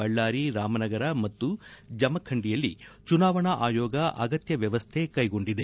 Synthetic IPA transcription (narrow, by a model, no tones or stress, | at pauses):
ɐɭːaːɾiɾaːmɐnɐɡɐɾɐmɐt̪ːud͡ʒɐmɐkʰːɐɳɖijɐlːit͡ʃunaːʋɐɳɐʔaːjɔːɡɐʔɐ̰ɡɐt̪jɐʋjɐʋɐst̪ʰe̞kɐjɡo̞ɳɖid̪e